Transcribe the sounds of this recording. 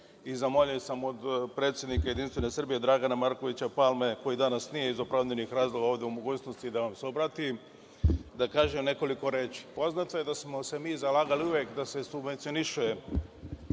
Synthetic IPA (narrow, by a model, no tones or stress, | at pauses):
izamoʎiosamo̞d̪pɾe̞t̪sje̞d̪nikaje̞d̪inst̪ʋe̞ne̞sr̩bijed̪ɾaɡanamaɾko̞ʋit͡ɕapalˠme̞ko̞jid̪anasnije̞izopɾavd̪enixɾaːzlˠo̞ɡaoːʋd̪e̞umoɡuːt͡ʃno̞st̪id̪aʋamsobɾat̪i | d̪akaːʒemne̞ko̞liko̞ɾeːt͡ʃi̥po̞znat̪oje̞d̪asmo̞se̞miːzalaːɡaliuʋjekd̪ase̞subʋe̞nt̪sio̞niʃuje